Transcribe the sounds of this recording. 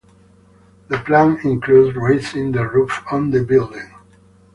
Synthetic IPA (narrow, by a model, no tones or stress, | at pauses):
ðəplæ̃nɪ̃nkʰludɹeɪtsɪ̃nðəɹufə̃nðəbɪldɪ̃ŋ